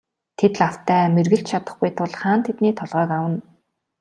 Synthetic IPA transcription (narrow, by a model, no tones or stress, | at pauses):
t̪ʰet̪̆ɮaw̥t̪ʰæːmerɣɘ̆ɬt͡ɕt͡ɕʰat̪ə̆χɡujt̪ʰʊɮχaːnt̪ʰet̪niːt̪ʰɔɮʁœːkawə̆n